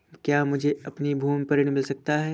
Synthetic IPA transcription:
kjaːmʊd͡ʒʱeɐpnibʱuːmpɐɾɪɽ̃mɪlsɐk̚t̪aɦɛː

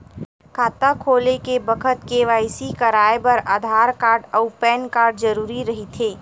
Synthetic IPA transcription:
kʰaːt̪akʰoːlekebəkʰət̪keʋaːɪsikɐɾaːepɐɾaːd̪ʱaːɾkaːɾɖəʊpɛːnkaːɾɖzəɾuːɾiɾɐɦit̪ʰeː

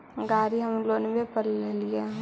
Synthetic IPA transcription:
ɡaːɾiɦəmloːnbepəɾlelije

